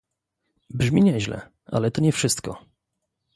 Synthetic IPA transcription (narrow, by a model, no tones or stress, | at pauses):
bʐmʲiɲɛʑlɛ̰ | a̰lɛt̪ɔɲɛfʂɘst̪kɔ